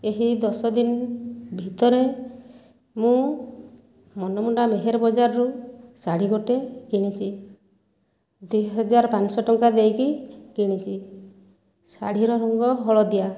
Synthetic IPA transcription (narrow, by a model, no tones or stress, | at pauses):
eɦid̪ɔsɔd̪inbʱit̪ɔɾe | mũ | mɔnɔmuɳɖameɦeɾɔbɔd͡ʒaɾɔɾusaɽ̤iɡoʈekiɽ̃it͡ʃʰi | d̪wuɦɔd͡ʒaɾpansɔʈɔŋkad̪ejkikiɽ̃it͡ʃʰi | sa̰ɽ̤iɾɔɾɔŋɡɔɦɔɭɔd̪ija